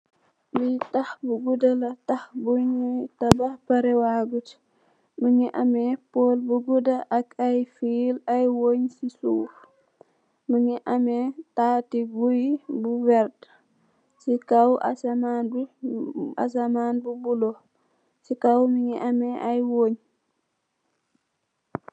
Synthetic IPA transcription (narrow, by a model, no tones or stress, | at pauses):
bitahbuɡudalɐtahbuɲitabahpaɾɛwaɡut | muɲiʔamɛpoːlbuɡudaʔakajfilajwoɲsisuːf | məɲiʔamɛtaːtiɡujbuwɛɾd | sikawʔa̰samanb | a̰s̬amaːnbubulo | sikawmiɲiʔamɛʔajwoɲ